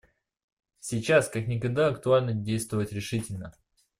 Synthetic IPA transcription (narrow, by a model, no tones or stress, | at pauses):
sʲɪt͡ɕaskaknʲɪkɐɡ̚d̪aɐkt̪ʊalʲnədʲejst̪vəvətʲɾʲɪʂɨtʲɪlʲnə